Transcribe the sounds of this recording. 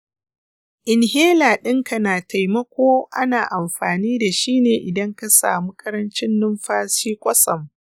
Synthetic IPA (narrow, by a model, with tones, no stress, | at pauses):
ʔɪ˨nɦeː˦laː˨ɗɪ˦ŋka˨naː˨tʰa˨jmɐ˦kʷoː˦ʔa˦naː˨ʔa˨mɸaː˨niː˦da˨ʃiː˦neː˨ʔɪ˨dɐ˦ŋka˦sa̰ː˨mu˦kʰʼɐ˦ɾɐ˦nt͡ʃɪ˦nːʊ˦mɸaː˦siː˦kʷʼɐ˦sɐ˨m